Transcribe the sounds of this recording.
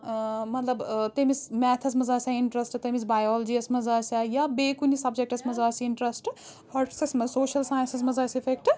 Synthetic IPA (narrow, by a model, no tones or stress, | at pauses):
mɐt̪lɐbt̪emismɛt̪ʰɐs̬mɐzaːsʲaiɳʈɾɐsʈt̪emisbajoːld͡ʒiɐsmɐzaːsajabeːkunisɐbd͡ʒek̚ʈɐsmɐzaːsiɳʈɾɐsʈ | hɐɾʈʰi̥siksmɐsoːʃɐlsaːjnsis̬mɐzaːsipʰekʈ